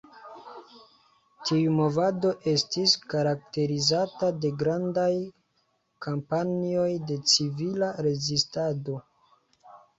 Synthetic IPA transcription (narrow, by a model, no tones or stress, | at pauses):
tʰiumo̞vado̞ʔe̞stiskaɾak̚te̞ɾizatade̞ɡɾandaj | kampanio̞jde̞t͡sivilaɾe̞zistado̞